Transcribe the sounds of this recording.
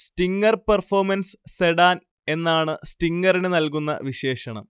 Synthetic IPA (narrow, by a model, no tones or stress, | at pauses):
stiŋɡɐrpɐrfoːmɐnsseɽaːn | e̞nːaːɳɨstiŋɡɐrinenɐlkunːɐ̰ʋiɕe̞ːɕɐɳɐ̰m